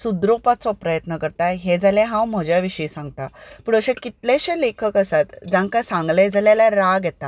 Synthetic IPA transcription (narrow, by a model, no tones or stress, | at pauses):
sud̪ɾopat͡sɔpɾəjət̪nəkəɾt̪ajɦed͡zalaɦãwm̤əd͡ʑjaʋiɕəisãŋɡ̚t̪apuɳəɕẽkit̪lẽɕẽlekʰəkəsat̪d͡zãŋkasãŋɡled͡zaljaljaɾaɡjɛt̪a